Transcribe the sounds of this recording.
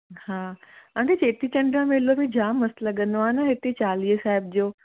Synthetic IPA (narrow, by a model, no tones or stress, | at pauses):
haːãːket͡ɕeːt̪it͡ɕɐ̃ɳɖɾãmelobid͡ʑaːmːɐslɐɠə̃nd̪oaːɪnɐɦɪt̪et͡ɕaːliːəsaːɦɪb̚d͡ʑoː